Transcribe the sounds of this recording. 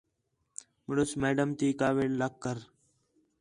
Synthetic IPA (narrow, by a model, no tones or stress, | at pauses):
məɽʊsmeːɖəmt̪iːkaːʋeːləkːəɾ